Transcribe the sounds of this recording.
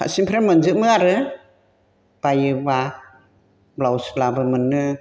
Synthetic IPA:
kʰa̰simpʰɾemɯnzɯmɯaɾɯ | b̥ajɯba | blawslabɯmɯnːɯ

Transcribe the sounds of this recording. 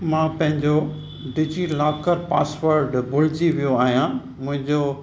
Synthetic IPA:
mãːpɐ̃ɦɪ̃ɲd͡ʑo | ɖid͡ʑilaːkəɾpa̰ːsʋəɾɖbʊlɪd͡ʑiʋijoaːɦijã | mʊ̃ɦɪ̃ɲd͡ʑo

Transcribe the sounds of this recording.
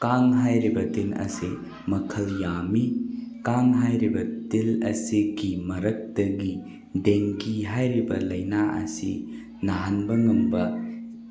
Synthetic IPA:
kaŋɦajɾibɐtilɐ̰si | mɐkʰɐljamikaŋɦajɾibɐtilɐ̰siɡimɐɾɐk̚tɐɡi | deŋɡiɦajɾibɐ̰lɐjnaʔɐ̰sḭ | naɦɐnbɐŋɐmbɐ

